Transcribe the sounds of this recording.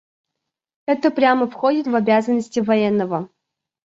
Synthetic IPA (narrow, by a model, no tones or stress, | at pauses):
ɛt̪əpɾʲaməfxodʲɪt̪vɐbʲazənːəsʲtʲɪvɐjɛnːəvə